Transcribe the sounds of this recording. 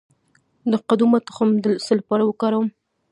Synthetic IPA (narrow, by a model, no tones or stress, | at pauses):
d̪əqad̪umat̪xamd̪əsəlapɑɾawəkɑɾawəm